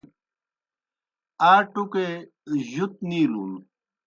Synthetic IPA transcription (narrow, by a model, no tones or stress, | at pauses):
aːʈuke | ʑut̪̚niːlṵl